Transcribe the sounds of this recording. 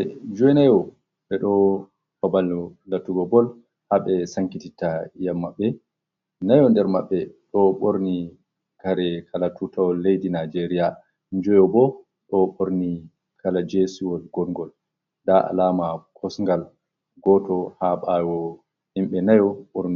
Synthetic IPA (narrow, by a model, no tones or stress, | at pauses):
ɛ̰d͡ʒɔɛnajɔ | ɓɛɗɔ | faballatuɡɔbɔl | haɓɛsaŋkititajamːaɓːɛ | najɔndɛɾma̰ɓːɛɗɔɓoɾni | kaɾɛkʰalatutawɔlːejdinad͡ʒeɾija | ɲd͡ʒɔjɔbɔ | ɗɔɓoɾni | kʰalad͡ʒesiwɔlɡɔlŋɡɔl | ɗaʔa̰lamakʰɔsŋɡal | ɡɔtɔhaɓawɔ | himɓɛnajɔɓoɾni